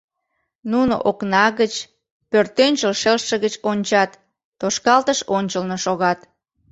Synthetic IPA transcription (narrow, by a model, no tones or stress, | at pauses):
nuno̰ʔoknɑɣət͡ɕ | pørt̪ønʲt͡ɕəlʃelʃəɣət͡ɕonʲt͡ɕɑt̪ː | oʃkɑlt̪əʃonʲt͡ɕəlnoʃoɣɑt̪